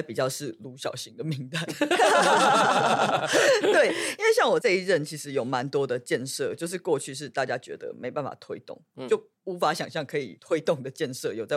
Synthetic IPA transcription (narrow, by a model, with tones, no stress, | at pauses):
ɪpi˨˩t͡ɕjɑ˥˧ʊʂɻ̩˥˩lu˧˥ɕjɑ̰˨˩ʊɕi˦˥ŋd̪ə˨mi˧˥ŋt̪a˥˩ɪ | t̪we˥˩ɪi˥nwe˥˧ɪɕjɑ˥˩ŋwɔ˨˩t͡sa˥˧ɪi˥ɻə˥˩nt͡ɕʰi˧˥ʂɻ̩˧˦jo˨˩ʊma˧˦nt̪wɔ˥d̪ə˨t͡ɕjɛ˥˧nʂɤ˥˧t͡ɕjo˥˧ʊʂ̬ɻ̩˥˧kwɔ˥˧t͡ɕʰy˥˧ʂ̬ɻ̩˥˧t̪a˥˩t͡ɕja˥t͡ɕɥɛ̰˧˥d̪ə̰˨mʔe˧˥ɪpa˥˩nfa̰˨˩t̪ʰwe˥ɪt̪ʊ̰˥˩ŋt͡ɕo˥˩ʊ | u˧˥fa˧˦˥ɕjɑ˨˩ŋɕjɑ˥˩ŋkʰɤ˧˥ḭ˨˩t̪ʰwe˥ɪt̪ʊ˥˩ŋd̪ə˩t͡ɕjɛ˥˧nʂɤ˥˨jo˨˩ʊt͡sa˥˩